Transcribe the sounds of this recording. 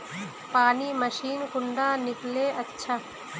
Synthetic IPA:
paːniːmɐʃiːnkʊɳɖaːnikleːɐtːʃʰa

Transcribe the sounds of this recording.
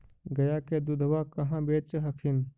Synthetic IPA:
ɡəjaked̪ud̪ʱʋakəɦãbeːt͡ʃɦəkʰin

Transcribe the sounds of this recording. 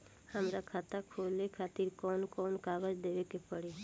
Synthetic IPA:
həmɾakʰat̪akʰolekʰaːt̪iɾkɔːnkɔnkaːɡəd͡ʒd̪eʋekepəɽe

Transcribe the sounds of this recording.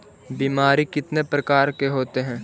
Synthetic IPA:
biːmaːɾikɪt̪nepɾɐkaːɾkeɦoːt̪eɦɛ̃ː

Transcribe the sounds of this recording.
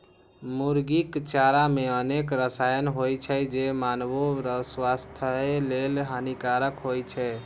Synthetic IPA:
muɾɡikt͡ʃaɾameənekɾəsajənɦojt͡ʃʰɛd͡ʒemanboɾəswast̪ʰəelelɦanikaɾəkɦojt͡ʃʰɛ

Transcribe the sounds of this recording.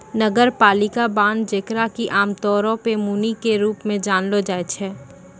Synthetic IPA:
nəɡəɾpaːlɪkabaːnd͡ʒeːkɾakiʔaːmt̪ɔːɾõpemuːnikeɾuːpmẽd͡ʒaːnlod͡ʒaːet͡ʃʰɛː

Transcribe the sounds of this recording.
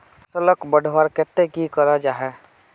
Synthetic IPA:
sələkbəɖʱwaɾket̪ːekikəɾad͡ʒaɦɛ

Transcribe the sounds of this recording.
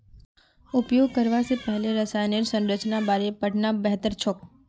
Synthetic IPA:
ʊpjoɡ̚kəɾʋasepəɦleɾəsajneɾsə̃nɾət͡ʃnabaɾepəʈnabəɦt̪əɾt͡ʃʰok

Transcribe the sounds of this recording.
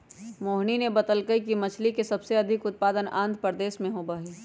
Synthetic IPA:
moːɦninebɐt̪əlkəikimɐt͡ʃʰlikesɐbseɐd̪ʱɪkʊt̪̚paːd̪ənã̰ːnd̪pəɾd̪eːʃmẽɦobaːɦiː

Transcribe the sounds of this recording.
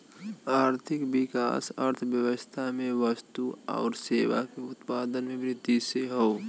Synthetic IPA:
aːɾt̪ʰɪkbɪka̰ːsə̰ɾt̪ʰʋjəʋəst̪ʰamẽʋəst̪uɔ̰ːɾseːʋakeʊt̪paːd̪ənmẽbɾɪd̪iseɦoː

